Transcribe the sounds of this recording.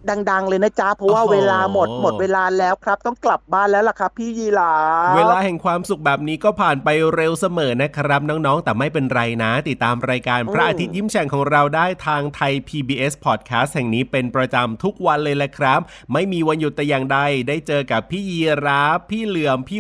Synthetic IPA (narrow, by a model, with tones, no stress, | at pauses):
da˧ŋda˧ŋlɤː˧jna˦˥t͡ɕa˦˥pʰɾɔ˦˥waː˥˩weː˧laː˧mo˨˩t̪̚mo˨t̚weː˧laː˧lɛː˦˥wkʰɾa˦˥p̚t̪ɔ˥˩ŋkla˨˩p̚baː˥˩nlɛː˦˥wla˨˩kʰa˦˥pʰːiː˥˩jiː˧˩laː˦˥weː˧laː˧hɛ˨˩ŋkʰwaː˧msu˨˩k̚bɛː˨˩p̚niː˦˥kɔː˥˩pʰaː˨˩npa˧jɾe˧wsa˧mɤː˩˦na˦˥kʰa˥ɾa˦˥p̚nɔː˦˥ŋnɔː˦˥ŋt̪ɛː˨˩ma˥˩jpe˧nɾa˧jna˦˥t̪i˨˩t̪ːaː˧mɾaː˧jkaː˧npʰɾa˦˥ʔaː˧t̪ʰi˦˥t̪̚ji˥˩mt͡ɕʰɛ˨˧˩ŋkʰɔː˩˦ŋɾa˧wdaː˥˩jt̪ʰaː˧ŋt̪ʰa˧jpʰiː˧biː˧ʔe˦˥spʰɔː˨˩t̪̚kʰaː˦˥st̪̚hɛ˨˩ŋniː˦˥pe˧npɾa˧t͡ɕa˧mt̪ʰu˦˥k̚wa˧nlɤː˧jlɛ˦˥kʰɾa˦˥p̚ | ma˥˩jmiː˧wa˧nju˨˩t̪ːɛː˨˩jaː˨˩ŋda˧jdaː˥˩jt͡ɕɤː˧ka˨˩pʰːiː˥˩jiː˧ɾaː˦˥pʰːiː˥˩lɯ˨˩˦əmpʰiː˥˩